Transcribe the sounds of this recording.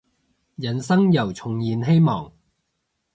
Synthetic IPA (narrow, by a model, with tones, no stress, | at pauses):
jɐ˨˩nsɐ˥ŋjɐ˨˩wt͡sʰʊ˨˩ŋjiː˨nɦe˥jmɔː˨˩ŋ